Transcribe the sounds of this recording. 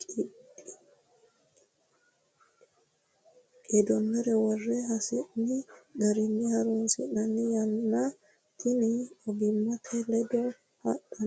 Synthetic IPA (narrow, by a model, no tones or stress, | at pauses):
kʼiɓi | ʔɛdɔnːɛɾɛwarːɛhasɛʔniɡaɾinːihaɾunsɛnanːijanːa | kʰiniʔɔbimːatʰɛlɛdɔ | haɗan